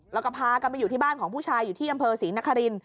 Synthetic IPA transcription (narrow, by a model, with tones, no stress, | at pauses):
lɛː˦˥kɔ˥˩pʰaː˧ka˧nma˧ju˨˩t̪ʰiː˥˩baː˥˩nkʰɔː˩˦puː˥˩t͡ɕʰaː˧jːuː˨˩t̪ʰiː˥˩ʔa˧mpʰɤː˧siː˩˦na˦˥kʰːa˧ɾi˧n